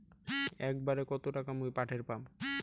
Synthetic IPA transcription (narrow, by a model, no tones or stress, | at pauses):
ɛk̚baɾekɔt̪oʈakamojpaʈʰeɾpam